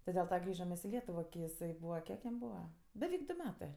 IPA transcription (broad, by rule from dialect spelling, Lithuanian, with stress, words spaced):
tʲɪ dʲɛlˠ ˈtɐ ˈɡrʲiːʒɐm mʲɛs ɪ ˈlʲiɛtʊʋoː kʲɪ ɪˈsɐɪ ˈbuːʋɐ ˈkʲiɛk jɛm ˈbuːʋɐ bʲɛˈʋʲɛɪk ˈdʊ ˈmʲæːtɜ